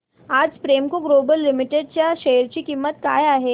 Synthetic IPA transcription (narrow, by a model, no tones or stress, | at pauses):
aːd͡zfɾemkoɡlobəlːɪmɪʈeɖt͡ɕjaʃejəɾt͡ɕikimːət̪ka̰ːjaːɦe